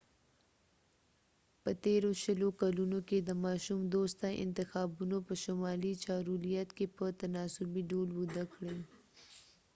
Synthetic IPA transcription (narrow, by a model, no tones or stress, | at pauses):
pət̪eɾoʃəlokalunoked̪əmɑʃumd̪ost̪aʔɪ̰nt̪ɪxɑːbunopəʃʊmɑlit͡ʃɑɾulijat̪kepət̪anɑsʊbiɖolwʊd̪akɽe